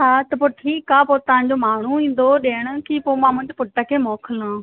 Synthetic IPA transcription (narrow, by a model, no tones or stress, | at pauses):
ɦaːt̪ɐpʊʈʰikapoːt̪ɐʋãɲ̆d͡ʑomaːɳ̤uĩːn̆d̪oɗeːɽ̃̆kipoːmãmʊ̃ːɲd͡ʑpʊʈːəkʰeːmɔːkʰəlã